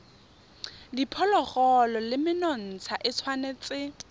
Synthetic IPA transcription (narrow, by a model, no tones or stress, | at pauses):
dipʰɔlɔχɔlɔlɪmɪnɔn̩t͡sʰaʔɪt͡sʰwanet͡sʼɪ